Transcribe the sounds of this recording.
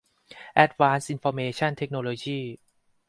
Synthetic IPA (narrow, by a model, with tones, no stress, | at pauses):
ʔɛ˦˥t̪̚waː˧˥nsʔi˧nfɔː˧meː˧t͡ɕʰa˥˩nt̪ʰe˦˥k̚noː˧loː˧jiː˥˩